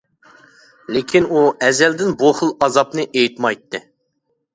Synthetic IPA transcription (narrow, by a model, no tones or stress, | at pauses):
lɪkʲʰinuɛzɛld̪ɪnboχəlˠɑzɑpnɨʔejt̪mɑjt̪ʰːɨ